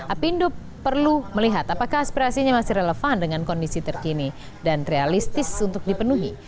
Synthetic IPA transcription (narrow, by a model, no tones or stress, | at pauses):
ʔapindo | pərluməliɦat̪apakahaspiɾasiɲamasiɾeləfandəŋankɔndisit̪ərkini | danrealist̪ɪsunt̪ʊk̚dipənuɦi